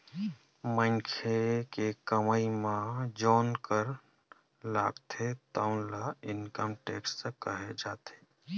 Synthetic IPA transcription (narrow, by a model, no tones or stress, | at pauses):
mə̃ŋkʰekekəməimãd͡ʒɔːnkəɾ | la̰ːɡt̪ʰet̪aʊnlaɪnkəmʈeːksekəɦed͡ʒaːt̪ʰe̥ː